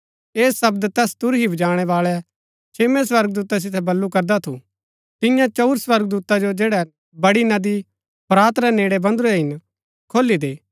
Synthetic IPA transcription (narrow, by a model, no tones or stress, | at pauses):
eːssɐbd̪t̪ɛːst̪ʊɾɦibɐd͡ʒaːɽ̃ɛʋaːɭɛ | t͡ʃʰeːmɛ̃s̬ʋɐɾɡ̚d̪uːt̪as̬ɪt̪ʰɛbɐlːukɐɾd̪at̪ʰṵ | t̪ɪ̃jãt͡ʃɐʊɾswɐɾɡd̪uːt̪ad͡ʒod͡ʒeːɽɛ | bɐɽinɐd̪i | pɾaːt̪ɾɛneːɽɛbɐ̃nd̪uɾɛɦɪn | kʰoːlːid̪eː